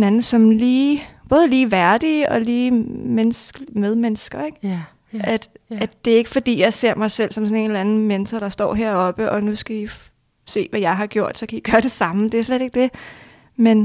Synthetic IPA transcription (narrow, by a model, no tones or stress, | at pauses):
nænð̩ˠsɒ̽mliːb̥ɔ̽ːð̞ˠliːʋæɐd̥iːɒ̽liːmensɡ̥með̞ˠmenəsɡ̥ɐeɡ̥ | ʔæd̥ʔæd̥e̝ɐe̝ɡ̥əfɒ̽d̥ḭːjɑ̈ɪse̝ɐ̰mɑ̈ɪsel̰sɒ̽msɔ̽ne̝nlænn̩men̩sɐɾ̥ɑ̈sd̥ɒ̰ːɦeɐ̰ɒ̽b̥əʔɒ̽nusɡ̥æi | se̝̰ːʋæjɑ̈ɪɦɑ̈ɡ̥jo̝ɐ̰d̥sɒ̽kʰæiɡ̥ɶːɐɾ̥e̝sɑ̈məd̥e̝æɐsleɾe̝ɡ̥̚d̥e̝ | men